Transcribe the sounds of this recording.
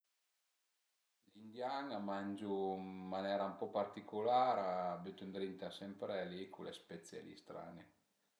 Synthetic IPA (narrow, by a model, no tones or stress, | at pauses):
lind̪jaŋamand͡ʒumːanɛːɾaumpɔpart̪ikulaːɾabut̪und̪ɾint̪asɛmpɾealikʰulespɛt̪sjḛlḭst̪ɾa̰ːne